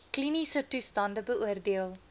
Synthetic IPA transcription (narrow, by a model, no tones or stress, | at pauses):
klinisətustɑndəbəʔuərdeəlˠ